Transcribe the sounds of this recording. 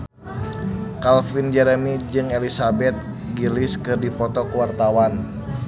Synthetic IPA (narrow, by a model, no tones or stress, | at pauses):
kalfind͡ʒɛɾɛmid͡ʒɨŋelisabɛt̪̚ | ɡilɪskɨrdipɔt̪ɔkuwart̪awan